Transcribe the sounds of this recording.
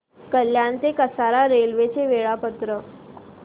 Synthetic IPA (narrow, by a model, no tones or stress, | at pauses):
kəljant̪ekəsaɾaɾelʋet͡seʋeɭapət̪ɾə